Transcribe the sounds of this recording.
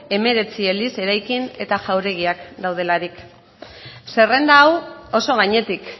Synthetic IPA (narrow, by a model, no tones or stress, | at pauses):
e̞me̞ɾe̞t͡sie̞lise̞ɾajkine̞t̪aʝawɾe̞ɣ̞iakd̪awð̞e̞laɾik | se̞re̞nd̪aːwo̞so̞ɣ̞aɲe̞t̪ik